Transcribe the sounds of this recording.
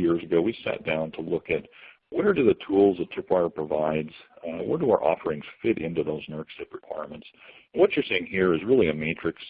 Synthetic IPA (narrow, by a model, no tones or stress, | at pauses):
jɪɹzɨɡoʊwisæ̰t̚d̥ãʊ̃ntʰəlʊkɨt̚ | wɛ˞dɨðɨtʰulˠzðətʰɨpʰaɪə˞pʰɹ̥əvaɪdz̥wɛ̰˞dəaʊə̰˞ʔɔ̰fə˞ɪ̃ŋz̥fɪɾʔɪ̰̃ntʉðoʊznɜɹksɪpɹɨkʰw̥a̰ɪɹmə̃nts | wʌt͡ʃə˞seɪɪ̃ŋhiɹɨzɹɪlˠiɨmeɪt͡ʃɹ̥ɨks